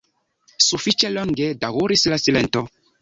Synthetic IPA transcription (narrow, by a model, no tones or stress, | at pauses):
sufit͡ʃɛlɔŋɡedawuɾislasilɛntɔ